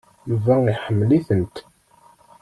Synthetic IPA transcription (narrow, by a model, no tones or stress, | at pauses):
əvːæiħəmːliθənt̪